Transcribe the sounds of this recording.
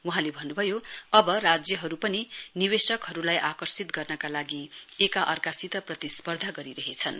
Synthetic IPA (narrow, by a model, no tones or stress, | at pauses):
wuɦãlebʱʌnːubʱʌjoʌbʌrad͡zjʌɦʌɾupʌniniwesʌkɦʌɾulajʔakʌrsit̪ɡʌrnʌkalaɡiekaʔʌrkasit̪ʌprʌt̪ispʌrd̪ʱaɡʌɾiɾʌɦet͡sʰʌn